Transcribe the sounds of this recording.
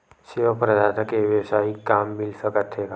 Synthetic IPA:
sɪʋəpɾəd̪aːt̪əkeʋjəwsaːikːaːmːɪlsəkət̪ɦeka

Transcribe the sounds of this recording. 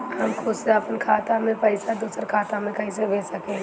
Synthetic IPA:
hɐmkʰʊd̪seɐpnkʰaːt̪amẽpɐɪsad̪uːsəɾkʰaːt̪amẽkɐɦĩs̬ebeːsɐkẽ

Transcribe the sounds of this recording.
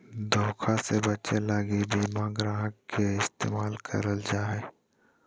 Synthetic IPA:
d̪ʱoːkʰasebɐtːt͡ʃelaːɡibʱimãːɡɾãːɦəkkːeɪst̪ḛːmaːlkʰə̰ɾəld͡ʒaːɦɛː

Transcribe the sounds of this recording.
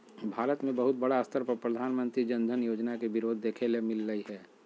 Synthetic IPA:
bʱaːɾət̪mẽbɐɦʊt̪̚bɐɽaəst̪ʰəɾpəɾpɾəd̪ʱaːnmə̃nt̪ɾid͡ʒənd̪ʱənjoːd͡ʒnakebɪɾoːd̪ʱːeːkʰelemɪlːəiɦɛː

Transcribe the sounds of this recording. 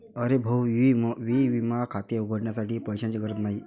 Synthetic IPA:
əɾebʱəwimʋiʋimakʰat̪jeuɡʱəɽɳjasaʈiːpəjɕãt͡ɕikəɾət̪naɦi

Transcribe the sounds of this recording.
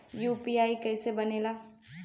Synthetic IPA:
juːpiaːikɛːsebɐneːlaː

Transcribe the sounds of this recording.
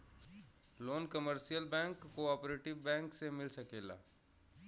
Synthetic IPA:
loːnkəməɾʃijəlbɛ̃ːŋkːoɔːpɾeːʈɪʋbɛ̃ːŋksemɪlsɐkeːla̰ː

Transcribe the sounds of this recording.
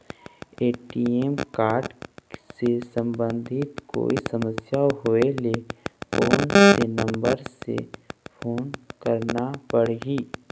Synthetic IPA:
eːʈiemkaːɾɖsesə̃mbə̃nd̪ʱɪt̪ko̰ːisəməsjaɦoelekoːnsenə̃mbəɾsḛpʰoːnkəɾnapəɽɦiː

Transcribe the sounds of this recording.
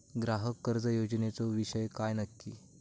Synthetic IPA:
ɡɾaɦəkːəɾd͡zəjod͡ʑnet͡soʋiɕəjkajnəkːḭ

